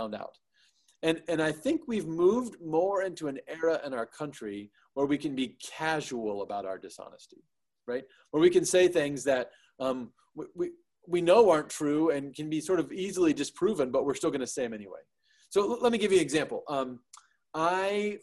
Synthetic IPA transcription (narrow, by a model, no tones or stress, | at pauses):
ʊ̃nda̰ʊt̚ | ɨ̃nɨ̃naɪθɪ̃ŋkwivmuvdmɔɹɪ̃ntuɨ̃nɛɹəʔɪ̃ñaʊə˞kʰʌ̃nt͡ʃɹ̥i | wə˞wikɨ̃nbikʰæʒul̩ˠəbaʊɾaʊə˞dɨsɑ̰nɨ̰sti̥ | ɹaɪt̚ | wə˞wikɨ̃nseɪθɪ̃ŋzðɨt̚ | ʌ̃m | wiwi | winoʊɑɹntʰɹ̥ʉɨ̃nkɨ̃nbisɔɹɾʌvizl̩ˠidɨspʰɹ̥ʉvɨ̃nbʌʔ̚wɨɹstɪlˠɡʌñɨseɪɨ̃mɛniwḛɪ | soʊlɛt̚miɡɪvjɨnɨɡzæ̃mpl̩ˠʌ̃m | aɪ